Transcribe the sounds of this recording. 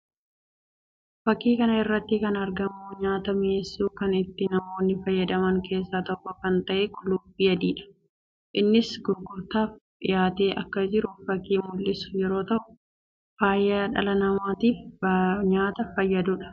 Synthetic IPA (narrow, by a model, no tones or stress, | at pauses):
fɐkːiːkɐnɐɪrːɐt̪ːɪkɐnɐɾɡɐmːuːɲaːt̪ɐmeːsːuːkɐnɪt̪ːɪnɐmo̞ːnːɪfɐjːɐd̪ɐmɐŋkʰe̞ːsːaːt̪ɔʔkːɔkɐnt̪ɐʔekʰʊlʊbiːjɐd̪iːᶑɐ̥ | ʔɪnːɪsɡʊɾɡʊɾt̪aːfᶑɪjaːt̪eːʔɐkːɐd͡ʒɪɾʊfɐkːiːmʊlːɪsʊjɛɾo̞ːt̪ɐʔʊ | faːjaːᶑɐlɐnɐmaːt̪iːfɲaːt̪ɐfɐjːɐd̪ʊᶑɐ̥